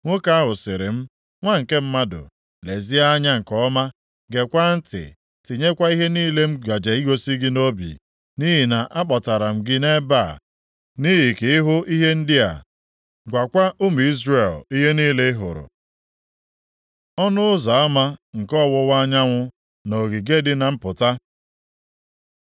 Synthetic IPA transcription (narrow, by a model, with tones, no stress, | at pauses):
ŋʷo˦ka˦ɦʊ˨sɪ˨ɾɪ̰˨m̩˦ | ŋʷa˦ŋ̩˨ke˦m̩˦ma˦dʊ̰˨ | le˨zi˦a˦ɲa˦ŋ̩˨kɔ˦ma˦ | ɡe˨kʷa˦n̩˦tɪ̰˨ | tɪ˨ɲe˦kʷa˦i˦ɦe˦niː˦le˦m̩˦ɡa˨d͡ʒe˨i˦ɡo˦si˦ɡɪ˦no˦bḭ˨ | ni˦ɦi˨na˨ʔa˦k͡pɔ˨ta˨ɾa˨m̩˨ɡɪ˦ne˦ba˦˨ | ni˦ɦi˨kɪ˨ɪ˦ɦʊ˦ʔi˦ɦe˦n̩˦dɪ˦a̰˨ | ɡʷa˨kʷa˦ʔʊ˦m˨i˦zɾe˨li˦ɦe˦niː˦le˦ɦʊ̰˨ɾʊ̰˨ | ɔ˦nʊ˦ʊ˦za˨a˦ma˦ŋ̩˨kɔ˦˨wʊ˦wa˦ɲa˦ŋʷʊ˦ | no˨ɡi˨ɡe˦dɪ˦na˨m̩˦pʊ˨ta˦